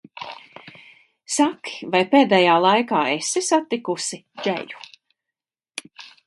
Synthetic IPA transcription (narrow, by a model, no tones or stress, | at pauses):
saki̥vajpeːd̪ɛːjaːlˠajkaːesisat̪ːikusid͡ʒɛ̰ʎu̥